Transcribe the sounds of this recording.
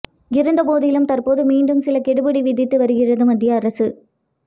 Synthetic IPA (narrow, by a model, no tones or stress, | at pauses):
ɪɾɯnd̪ɐpoːðɪjɪlɯmt̪ɐrpoːðɯmiːɳɖɯmsɪlɐkɛɽɯbɐɽiʋɪðɪt̪ːɯʋɐɾɯɣɪrɐðɯmɐd̪ːɪjɐːɐɾɐsɯ